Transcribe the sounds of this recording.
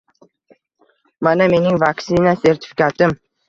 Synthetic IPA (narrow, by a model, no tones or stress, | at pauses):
maname̞nɪŋvaksɪnase̞ɾt̪ɪ̥fi̥kʲat̪ɪm